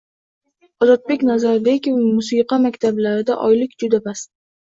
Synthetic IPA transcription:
ɒzɒt̪̚be̞kʲnazaɾbekʲmʊsiqɑmakʲt̪ʰablaɾɪd̪a̰ʔɒjlɪkʲd͡ʒʊd̪abas

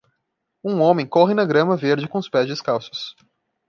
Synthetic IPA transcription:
ũõmẽj̃koɦɪnɐɡɾɐ̃mɐveɾd͡ʒɪkõʊspɛzd͡ʒɪskawsʊ̥s

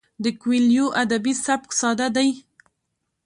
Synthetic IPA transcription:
d̪əkwiljoʔad̪abisab̚ksɑd̪ad̪aj

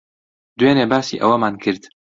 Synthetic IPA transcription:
d̪weːneːbaːsḭːʔɐ̰wɐmaːnkʰɨɾd̪

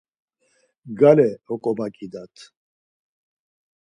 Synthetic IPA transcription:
ɡalɛɔkʼɔbakʼid̪at̪ʰ

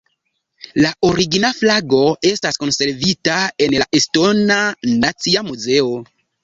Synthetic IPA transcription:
laʔoɾiɡinaflaɡo̞e̞stasko̞nse̞ɾvitae̞nlaʔesto̞nanat͡siamuze̞o̞

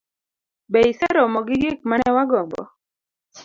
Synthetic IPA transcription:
bɛisɛɾɔmɔɡɪɡɪk̚manɛwaɡɔmbɔ̰

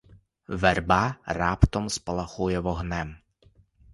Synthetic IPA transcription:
ʋɛrbɑrɑpt̪ɔmspɐlˠɐxujɛʋɔɦnɛm

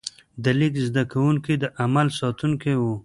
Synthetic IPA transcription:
d̪əlikzd̪akawuŋkid̪əʔamalsɑt̪uŋkewu

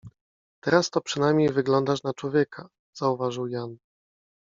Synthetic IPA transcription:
t̪ɛɾast̪ɔpʂɘnajmʲɲejvɘɡlɔnd̪aʂnat͡ʂwɔvʲjɛkʰa | z̥auvaʐɘwjan

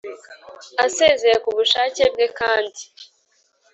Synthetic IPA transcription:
ase̞ːze̞ɾekuβuʃaːce̞bɡe̞kaːndi

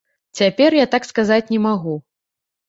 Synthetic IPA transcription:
t͡sʲapʲɛrjat̪akskazat͡sʲnʲɛmaɣu

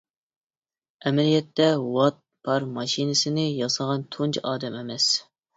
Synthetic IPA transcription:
ɛmɛlijɛt̪ːɛwɑt̪̚pʰɑɾmɑʃinɨsɪnɪjɑsəʁɑnt̪ʰunt͡ʃʰʔɑːd̪ɛmemɛs

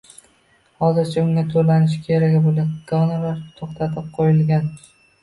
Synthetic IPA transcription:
hɒzɪɾt͡ʃʰaʊŋʲat̪ʰolanɪʃɪ̥kʲʰeɾaɡʲɪbolaɡ̥ɒnalaɾt̪ʰoχt̪ʰat̪ʰɪp̚qʰojɪlɡʲan

